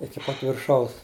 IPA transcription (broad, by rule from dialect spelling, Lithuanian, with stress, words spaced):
ɪkʲɪ ˈpɐt ʋʲɪrˈʃɐʊs